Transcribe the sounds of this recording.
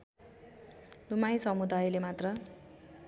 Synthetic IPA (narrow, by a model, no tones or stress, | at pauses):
d̪umajsʌmud̪ajlemat̪rʌ